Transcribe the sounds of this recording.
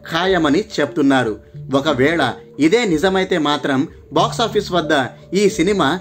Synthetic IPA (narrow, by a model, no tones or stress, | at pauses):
kʰaːjɐmɐnit͡ʃe̞put̪unːaːɾuɔkɐʋɛːɭɐ | id̪e̞ːnid͡ʒɐmɐjt̪e̞ːmaːt̪ɾɐm | baːksaːpʰiːsʋɐd̪ːɐ | iːsinimaː